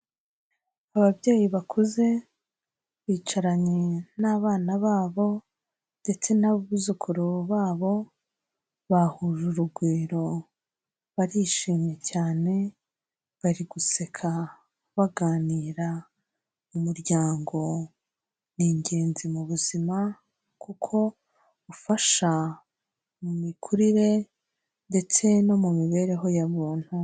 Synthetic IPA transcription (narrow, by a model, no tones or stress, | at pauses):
aβabɟeːjiβakʰuze̞ | βiːt͡ʃaɾaɲenaːβaːnaβaːβo̞ | nde̞t͡se̞naβuzukʰuɾoβaːβo̞ | βahuʒuɾuɡwiːɾo̞ | βaɾiʃiːmɲe̞caːne̞ | βaɾiɡuse̞kʰa | βaɡaːniːɾa | umuɾɟaːŋɡo̞ | niɲɟe̞ːnzimuβuzima | kukʰo̞ | ufaʃa | mumikʰuɾiɾe̞ | nde̞t͡se̞no̞mumiβe̞ːɾe̞ɦo̞jaβuːn̥hu